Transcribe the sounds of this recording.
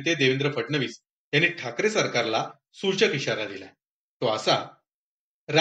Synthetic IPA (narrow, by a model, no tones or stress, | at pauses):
t̪̬ed̪eʋend̪ɾəfəʈɳəʋiːs | janːiːʈʰakɾesəɾkaɾla | suɾt͡ɕət̪iɕaɾad̪ila̰ | t̪oasa | ɾa